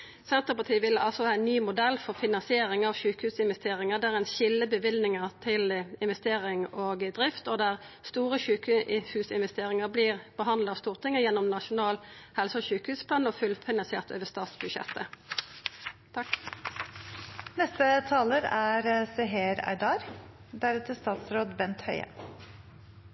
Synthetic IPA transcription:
sɛnt̪əʁpɑt̪ʰiːʋɪlːəɑlsɔhɑːɛnnːyːmʊd̪ɛlːfɔʁfɪnɑnsɪeːʁɪŋɑʋçʉːkhʉːsɪnʋɛst̪eːʁɪŋəd̪æʁænɕɪlːəbəʋɪlnɪŋəʁt̪ʰɪlɪnʋɛst̪eːʁɪŋoːɡd̪ʁɪft̪ɔd̪æʁst̪uːʁəɕʉːkhʉːsɪnʋɛst̪eːʁɪŋəʁbliːʁbəɦɑnd̪lɑst̪uːʁt̪ʰɪŋːəjɛnːɔmnɑʂʊnɑːlhɛlsəɔçʉːkəhʉːspʰlɑːnofʉlfɪnɑnsḛːʁt̪ʰøːʋəst̪ɑːt̪sbʉdʃɛ̰t̪ːə | nɛst̪ət̪ʰɑːləɾæɾsɛɦeːɾæ̰ɪd̪ɑːɾd̪æɾɛt̪əst̪ɑːt̪sɾoːd̪bɛnt̪hœʏə̰

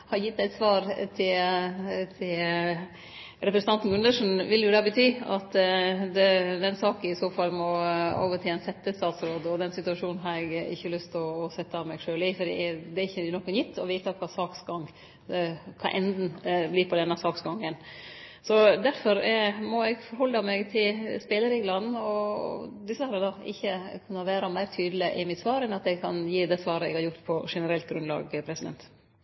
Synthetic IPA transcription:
hɑjɪt̪ːæɪt̪sʋɑːɾt̪ʰɪl | t̪ʰɪl | ɾɛpɾəsnɑnt̪n̩ɡʉnd̪əʂn̩ʋɪljʊd̪ɑbət̪ʰyːɑt̪d̪ɛd̪ɛnsɑːkənɪsoːfɑlmɔo̰ːʋət̪ʰɪɛnsɛt̪ːəst̪ɑːt̪sɾoːd̪ɔd̪ɛnsɪt̪ʉɑʂuːnnɦɑɾɛɡɪ̰çːəlʏst̪ɔːsɛt̪ːəɑʋmɛɪɡʂøːlɪːfɔɖ̪ḭd̪ɛɾɪçːənɔkːənjɪt̪ʰːɔʋiːt̪ɑkʰɑːsɑːksɡɑŋ | kʰɑ̰ʔɛnd̪n̩bliːpʰɔd̪ɛnːɑsɑːksɡɑŋːən | sɔd̪æɾfɔɾmɔɛɡfɔɾhɔlːɑmɛɡt̪ʰɪlspɛːləɾɪːɡlɑnn̩ɔd̪ɪsəɑɾd̪ɑɪçːəkʰʉnːɑʋæːɾɑmæɪɾt̪ʰyːd̪lɪʔɪmɪt̪sʋɑːɾɛnɑt̪ɛɡkʰɑnjiːd̪ɛsʋɑːɾəɛ̰ɡhɑɾjʊɾt̪pʰɔʂɛnəɾɛlt̪̚ɡɾʉnlɑ̰ːɡpʰɾɛsɪd̪ɛ̰nt̪

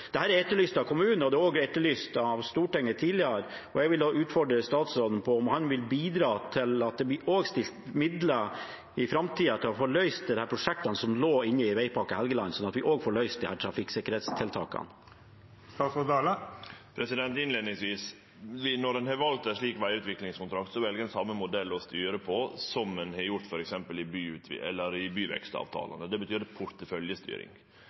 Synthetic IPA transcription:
d̪̥ɛhæːɾæɾɛt̪ːəɭyːst̪ɑkʰʊmʉːnəɔd̪ɛːoːɡɛt̪ːəɭyːst̪ɑʋst̪uːʈɛŋːət̪ʰiːlɪəɾɔɛɡʋɪloːʉːt̪fɔɖɾəst̪ɑːt̪sɾoːd̪n̩pʰɔɔmhɑnʋɪlbiːd̪ɾɑːt̪ʰɪlɑt̪̚d̪ɛbɪʔoːɡst̪ɪlt̪mɪd̪lə | ɪfɾɑmt̪ʰiːɑt̪ʰɪlɔfɔɭœʏst̪d̪ɛd̪ɛhæːɾpʰɾʊʂɛk̚t̪ɑnəsɔmloːɪnːəɪʋæɪpʰɑkəhɛlɡəlɑnsɔnɑt̪ʋɪʔoːɡfoːɭœʏst̪̚d̪ɪhæːʈ̪ʰɾɑfɪksɪkəɾheːt̪st̪ʰɪlt̪ʰɑ̰ːkɑ̰n | st̪ɑːt̪sɔd̪ɑːləpʰɾɛsɪd̪ɛnt̪ɪnleːd̪nɪŋsʋiːs | ʋɪnɔɖ̪ɛnhɑɾʋɑlt̪ɛʂɭiːkʋæɪʉːt̪ʋɪklɪŋskʰʊnt̪ʰɾɑk̚t̪sɔʋɛlɡəɛnsɑmːəmʊd̪ɛlːɔst̪yːɾəpʰɔsɔmːɛnhɑɾjʊɾt̪fɔɾɛksɛmpəlɪbyːʉt̪ɛ̰lːəɾɪbyːʋɛ̰kst̪ɑ̰ːʋt̪ʰɑ̰ːlɑ̰nəd̪ɛbət̪ʰyːɾpʰʊɾt̪əfœljəst̪y̰ːɾɪ̰ŋ

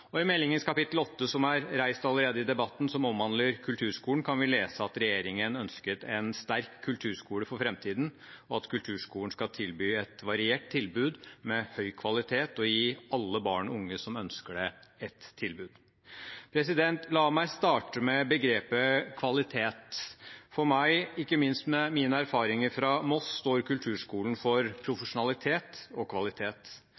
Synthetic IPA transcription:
ɔɪmɛlːɪŋənskʰɑpɪt̪ːl̩ɔt̪ːəsɔmæɾɾæɪst̪ɑlːəɾeːd̪əɪd̪ɛbɑt̪ːn̩sɔmɔmʋɑnləɾkʰʉlt̪ʰʉːɾʂkuːəɳ̩kʰɑnʋɪleːsəɑt̪ɾɛjeːɾɪŋənœnskət̪ʰɛnst̪æɾkʰːʉlt̪ʰʉːɾʂkuːləfɔɾfɾɛmt̪ʰiːd̪n̩ɔɑt̪kʰʉlt̪ʰʉːʂkuːləɳ̩skɑt̪ʰɪlbyːɛt̪ʋɑɾɪeːʈ̚t̪ʰːɪlbʉːd̪mɛhœʏkʰʋɑlɪt̪ʰeːt̪ɔjiːɑlːəbɑːɳɔʊŋːəsɔmœnskəɖɛɛt̪ʰːɪlbʉːd̪̥ | pʰɾɛsɪd̪ɛnt̪ʰlɑːmæɪst̪ɑːʈəmɛbəɡɾeːpəkʰʋɑlɪt̪ʰeːt̪fɔɾmæɪɪkːəmɪnst̪mɛmiːnəæɾfɑːɾɪŋəɾfɾɑmɔsːt̪oːɾkʉlt̪ʰʉːʂkuːln̩fɔɾpʰɾʊfəʂʊnɑlɪt̪ʰeːt̪ɔkʰʋɑlɪt̪ʰeːt̪

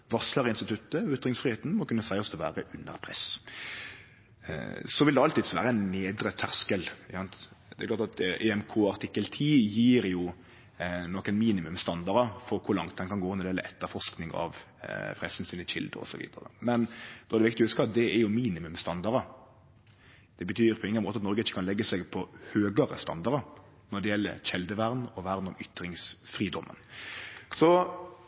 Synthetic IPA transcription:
ʋɑʁsləɾəɪnst̪ɪt̪ʰʉt̪ːəʏt̪ːɾɪŋsfʁɪheːt̪n̩mɔkʉnːəsæɪɔsd̪ɛʋæ̰ːɾəʔʉnːə̰ɾpʰɾɛ̰s | sɔʋɪld̪ɛɑlt̪ɪd̪sʋæːɾəæɪnneːd̪ɾət̪ʰːæʁskəlɪsɑnt̪ | d̪ɛɪklɑːɾt̪ɑt̪ɛɛmkʰoːɑɾt̪ʰɪkːəlt̪ʰiːjiːɾjʊ | nɔkːənmiːnɪmʉmst̪ɑnd̪ɑɾəfɔɾkʰʊɾlɑŋt̪̚d̪ɛnkɑnɡoːnɛd̪ɛləʔɛt̪ːəɾfɔʁʂknɪŋɑ̰ʋ | fɾɛsənsyːnɪçɪ̰ld̪ə̰ɔ̰sɔʋḭːd̪ə̰ɾə̰mɛnd̪̥ɔɛd̪ɛʋɪkt̪ɪhʉskɑd̪ɛɛɾjʊmiːnɪmʉmst̪ɑnd̪ɑɾəɾ | d̪̥ɛbət̪ʰyːɾpʰɔɪŋːənmoːt̪əɑt̪nɔɾɡəɪçːə̥kʰɑnlɛɡːəsɛɡpʰɔhøːɡəɾə̰st̪ɑ̰nd̪ɑɾəɾ | nɔɖ̪ɛjɛlːə̰çɛld̪əʋæɾnɔʋæɾnɔmʏt̪ɾɪŋsfɾiːd̪ɔmʔə̰n | sɔ

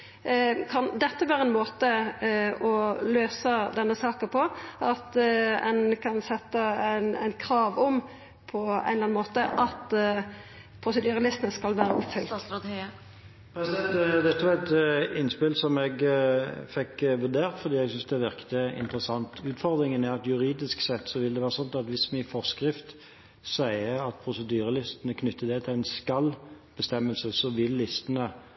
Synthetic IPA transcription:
kʰɑnd̪ɛt̪ːəʋæːɾʁəɛnmoːt̪ə | ɔløːsəd̪ɛnːəsɑːkəpʰɔɑt̪ɛnkʰɑnsɛt̪ːənæ̰ɪnkʰɾɑːʋɔm | pʰɔæ̰nlɑnmoːt̪əʔɑt̪ | pʰʁʊsɛd̪yːɾəlɪsənəskɑlʋæːɾəʔɔpfʏlt̪ | pʰɾɛsd̪ɛt̪d̪ɛt̪ːəʋɑʁɛt̪ɪnːspɪlsɔmɛɡ | fɛkːʋʉd̪eːʁt̪fɔʁd̪iːɛɡsʏnsd̪ɛʋɪʁkt̪əɪ̰nt̪əɾəsɑnt̪ʉːt̪fɔʁd̪ʁɪŋənæɾɑt̪jʉɾiːd̪ɪsksɛt̪ːsɔʋɪld̪ɛʋæːʁɾəsɔnt̪ɑt̪ʋɪsmɛɪfɔʁskʁɪft̪ | sæɪəɑt̪̚pʰʁʊsəd̪yːɾəlɪst̪ənəkʰnʏt̪ːəd̪ɛt̪ʰɪlæɪnskɑl | b̥əst̪ɛmːəlsəsɔʋɪlːɪst̪ənə

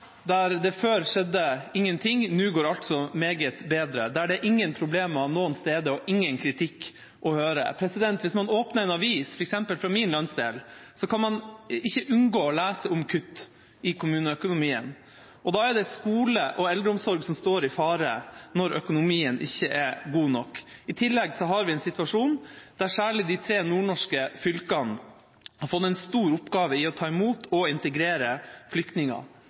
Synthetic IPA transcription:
d̪æɾd̪ɛføːɾʂɛd̪ːəɪŋːənt̪ʰɪŋnʉːɡoːɾɑlt̪sɔmeːɡət̪beːd̪ɾə̰d̪ɛæɖɛʔɪŋːənpʰɾʊbleːmɑnoːənst̪eːd̪əɔʔɪŋːənkʰɾɪt̪ʰɪkː | ʔɔhøːɾə̰pʰɾɛsɪd̪ɛnt̪ʋɪsmɑnoːpnəɾɛnɑʋiːsfɔɾɛksɛmpəlfɾɑmiːnlœnsd̪eːlsɔkɑnmɑnɪçːəʔʉnɡoːɔlæːsəʊmkʰʉt̪ː | ɪkʰʊmʉːnəœkʊnʊmiːə̰n | ɔd̪ɑæd̪ɛskuːləʔɔɛld̪ɾəʊmsɔɾɡsɔmst̪oːɾɪfɑːɾənɔɾʔœkʊnʊmiːənʔɪ̰çːəʔɛɡuːnɔkːɪt̪ʰɪlːɛɡsɔɦɑɾʋɪɛnsɪt̪ʋɑʂuːnd̪̥æɾʂæːɭɪd̪ɪt̪ʰɾeːnuːɳɔʂkəfʏlkɑn | hɑɾfɔt̪ːɛnst̪uːɾʊpɡɑːʋəɪɔt̪ʰɑːɪmuːt̪ʰɔɪnt̪əɡɾeːɾəflʏkt̪nɪŋɑ̰

